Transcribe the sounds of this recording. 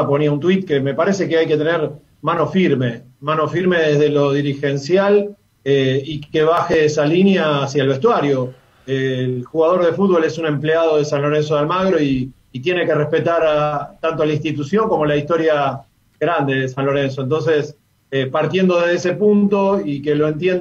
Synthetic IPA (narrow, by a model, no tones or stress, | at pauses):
po̞niaunt̪wit̪̚keme̞paɾe̞sekeajket̪e̞neɾ | mano̞fiɾme̞ | mano̞fiɾmeðezðelo̞ðiɾixe̞nsjal | eikeβ̞axeesalinjaːsjaelβe̞st̪waɾjo̞ | elxuɣaðo̞ɾðe̞fut̪̚βo̞le̞sunẽ̞mpleaðo̞ðesanlo̞ɾe̞nsoðalmaɣɾo̞iː | t̪je̞ne̞ke̞respet̪aɾat̪ant̪olaĩnst̪it̪usjo̞ŋko̞mo̞laist̪o̞ɾja | ɣɾand̪e̞ðesanlo̞ɾe̞ns̬o̞ent̪o̞ns̬e̞s | epaɾt̪je̞nd̪o̞ðeðese̞punt̪o̞ikelo̞ent̪jen